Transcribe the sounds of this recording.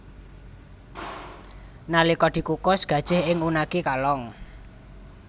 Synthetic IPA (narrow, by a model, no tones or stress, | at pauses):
nalikɔd̪̥i̤kukʊsɡ̥a̤d̥ʒ̥ɪ̤hɪŋunakikalɔŋ